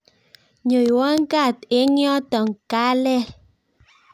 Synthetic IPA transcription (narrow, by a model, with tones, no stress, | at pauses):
ɲo˨jwɔ˦ŋ˦ka˦˨te˦ŋjɔ˦tɔ˨ŋ̩˨ka˦lɛ˦